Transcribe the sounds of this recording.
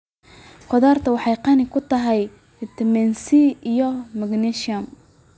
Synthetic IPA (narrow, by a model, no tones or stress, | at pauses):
qɔðaːrt̪ʰɐwɑħɑjqɑnɪkʰʊt̪ʰɐɦɛj | t̪ʰɛmɛnsiijɔmɐɡniʃɐm